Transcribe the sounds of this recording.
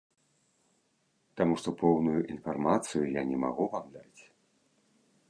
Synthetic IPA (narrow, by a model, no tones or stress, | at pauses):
t̪amuʂt̪ɔpɔwnujuʔinfarmat̪sɨjujanʲɛma̰ɣuvamd̪at͡sʲ